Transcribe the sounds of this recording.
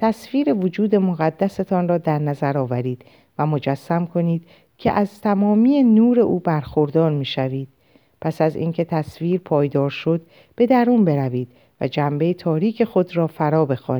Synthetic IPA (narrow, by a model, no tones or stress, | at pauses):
t̪ʰæsviːɾe̞vod͡ʒuːd̪e̞moɣæd̪ːæset̪ʰɒnrɒːd̪æɾnæzæɾɒːvæɾiːd̪̥ | væmo̞d͡ʒæsːæmkʰo̞niːd̪̥ | cʲʰḛʔæzt̪ʰæmɒːmiːjenuːɾe̞ʔuːbæɾxo̞ɾd̪ɒːɾmiːʃæviːd̪̥ | pʰæsæzḭːncʰe̞t̪ʰæsviːɾpʰɒːjd̪ɒːɾʃo̞d̪ | b̥e̞d̪æɾuːnbe̞ɾæviːd̪̥̚ | væ̰d͡ʒæmbe̞jet̪ʰɒːɾiːcʰe̞xo̞d̪ɾɒːfæɾɒːbe̞xɒ̰ːn